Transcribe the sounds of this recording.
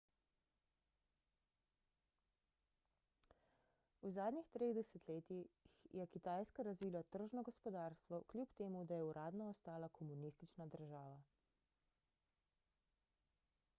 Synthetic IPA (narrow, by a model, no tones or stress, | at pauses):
uzaːd̪nʲixt̪ɾeɣd̪ɛsɛt̪leːt̪ixjɛkit̪aːjskaɾazʋiːlat̪əɾʒnɔɡɔspɔd̪aːɾst̪ʋɔklʲjupt̪eːmud̪ajɛuɾʔaːd̪nɔːst̪aːlakʰɔmunist̪it͡ʃnad̪əɾʒaːʋa